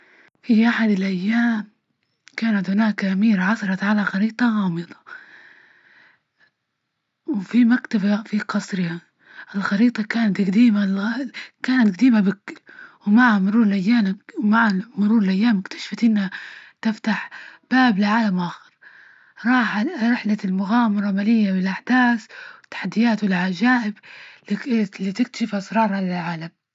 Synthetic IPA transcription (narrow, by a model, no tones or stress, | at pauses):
fiʔaħad̪ɪlʔajːaːm | kaːnat̪hʊnaːkʔamiːɾaʕɑsɑɾˤɑt̪ʕalaxɑɾiːt̪ˤɑɣɑːmɨd̪ˤɑ̥ | wfimakt̪abafiqɑsˤɾɪha | ʔɪlxɑɾiːt̪ˤɑkaːnat̪ɡad̪iːma | kaːnat̪ɡad̪iːmabɪkːɪlwmaʕhamʊɾuːɾɪlʔajːaːlwmaʕamʊɾuːɾɪlʔajːaːmɪkt̪ḁʃfat̪ʔɪnːhat̪ɪft̪aħb̥aːblɪʕaːlamʔaːxɪ̥ɾ | ɾˤɑːħaɾɪħlalmʊɣaːmɑɾˤɑmalɪjːabɪlʔaħd̪aːθwɪt̪ːḁħad̪ːɪjaːt̪wɪlʕad͡ʒaːʔɪb | lit̪ɪkt̪ḁʃɪfʔɑsɾˤɑːɾˤhalɪlʕaːlam